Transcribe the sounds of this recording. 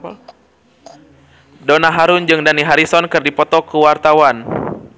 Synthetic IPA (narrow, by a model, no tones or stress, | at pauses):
dɔnaɦaɾund͡ʒɨŋdaniɦaɾisɔnkɨrdipɔt̪ɔkuwart̪awan